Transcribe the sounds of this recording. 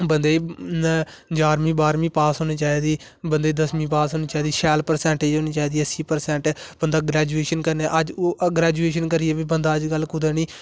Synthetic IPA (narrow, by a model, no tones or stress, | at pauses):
bənd̪eːi | d͡ʒaːɾmĩːbaːɾmĩːpaːsɦoːniːt͡ʃaːiːd̪iː | bənd̪eːd̪əsmĩːpaːsɦoːniːt͡ʃaːiːd̪iːʃɛːlpəɾsɛ̃ːɳʈeːd͡ʒɦoːniːt͡ʃaːiːd̪iːəsiːpəɾsɛ̃ːɳʈːb̥ənd̪aːɡɾɛːd͡ʒueːʃənkəɾneːʔəd͡ʒoɡɾɛːd͡ʒueːʃənkəɾɪɛːbiːbənd̪aːəd͡ʒkəlkʊd̪eːniː